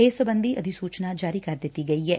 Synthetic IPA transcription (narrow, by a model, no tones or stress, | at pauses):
eːsəbə̃nd̪ʱiʔɐ̰d̪ʱisuːt͡ʃnad͡ʒaːɾikɐɾd̪ɪt̪iɡɐiɦɛː